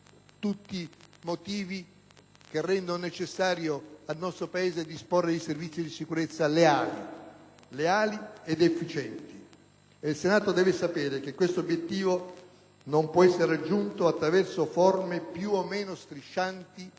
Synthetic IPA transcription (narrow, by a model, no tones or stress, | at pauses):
t̪ut̪ːimot̪iːvi | k̟erːɛnd̪ononet͡ʃesːaːɾjoalnɔst̪ɾopaeːzed̪isporːed̪ejservit̪sːid̪isikuɾet̪sːaleaːlḭleaːlied̪efːit͡ʃɛnt̪i | eilsenaːt̪od̪ɛːvesapɛːɾek̟ekːwest̪oobjet̪ːiːvo | nompwɔɛsːeɾead͡ʒːunt̪oat̪ːɾavɛrsofɔrmepjuomːeːnost̪ɾiʃːant̪i